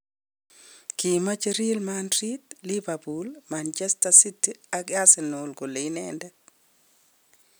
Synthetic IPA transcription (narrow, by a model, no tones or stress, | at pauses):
kimat͡ʃeɾilmandɾitlibabulmant͡ʃɛstasitiaɡasɛnʊlɡolenɛndɛ